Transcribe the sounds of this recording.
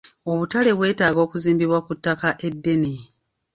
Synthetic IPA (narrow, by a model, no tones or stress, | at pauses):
o̞βutale̞βwe̞ːtaːɡo̞ːkuziːmbiβwakutːakaʔe̞dːe̞ni